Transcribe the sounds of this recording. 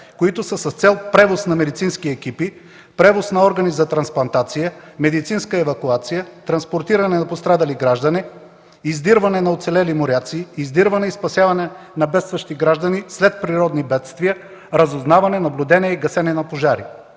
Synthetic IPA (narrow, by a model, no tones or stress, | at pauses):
koit̪ʊsəsɐst̪sɛlˠpɾɛvosnɐmɛd̪it̪sinskiɛkipi | pɾɛvosnɐɔɾɡɐnizɐt̪ɾɐnsplˠɐnt̪at̪sijəmɛd̪it̪sinskəɛvɐkuat̪sijət̪ɾɐnspoɾt̪iɾɐnɛnɐpost̪ɾad̪ɐliɡɾaʒd̪ɐni | izd̪iɾvɐnɛnɐot̪sɛlɛlimoɾʲat̪siːzd̪iɾvɐnɛispɐsjavɐnɛ | nɐbɛt̪st̪vɐʃt̪iɡɾaʒd̪ənislɛt̪̚pɾiɾɔd̪nibɛt̪st̪vijə | ɾəzoznavɐnɛnɐblʲud̪ɛnʲiɛiɡɐsɛnɛnɐpoʒaɾi